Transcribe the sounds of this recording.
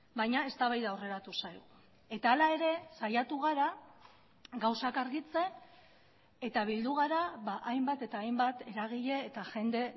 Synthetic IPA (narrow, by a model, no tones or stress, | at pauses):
bajɲae̞st̪aβajðaore̞ɾat̪usajɣu | e̞t̪aːlae̞ɾe̞sajat̪uɣ̞aɾa | ɣawsakaɾɣit͡se̞ | t̪aβ̞ild̪uɣ̞aɾaβaʔajmbat̪e̞t̪aːjmbat̪e̞ɾaɣ̞iʎe̞ːt̪aʝe̞nd̪e̞